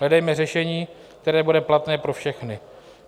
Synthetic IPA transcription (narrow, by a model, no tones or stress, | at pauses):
ɦlɛdɛjmɛrɛʃɛɲiː | k̚t̪ɛɾɛːbudɛplat̪nɛːpɾo̞fʃɛxnɪ